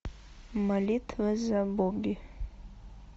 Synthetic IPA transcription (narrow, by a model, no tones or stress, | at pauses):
malit̪ʰvəzaboɡʲi